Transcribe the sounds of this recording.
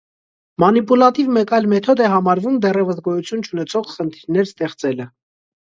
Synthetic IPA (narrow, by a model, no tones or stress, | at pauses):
mɑnipulɑt̪ivmɛkɑjlmɛt̪ʰɔd̪ɛɦɑmɑɾvumd̪ɛrɛvəsɡɔjut͡sʰjunt͡ʃʰunɛt͡sʰɔʁχənt̪ʰiɾnɛɾst̪ɛχt͡sɛlə